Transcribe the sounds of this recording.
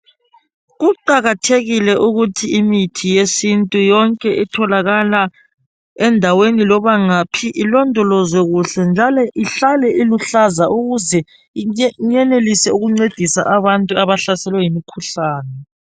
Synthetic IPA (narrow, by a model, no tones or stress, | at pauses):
ɣuǃaɣatʰeɣilɛʔuɣutʰiimitʰijesintʼujɔŋkʼɛʔitʰɔlaɣala | ɛndʱawenilɔβaŋapʰiʔilɔndʱɔlɔzwɛɣuɬɛnd͡ʒʱalɔʔiɬalɛʔiluɬazaʔuɣuzɛ | iɲɛnelisɛuɣuŋ͡ǀed̥ʱisa̰ʔaβantʼuaβaɬasɛlwɛjimikʰuɬaːnɛ